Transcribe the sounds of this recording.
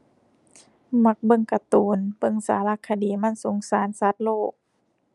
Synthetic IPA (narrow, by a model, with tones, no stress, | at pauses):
ma˧˥k̚bɤ˧˨ŋka˧t̪uː˨˩˦nbɤ˧˨ŋsa̰ː˨˦la˧˨kʰːa˧diː˨˦ma˧˥˨nso˨˦ŋsaː˨˦nsa˧˦t̪̚loː˥˩k̚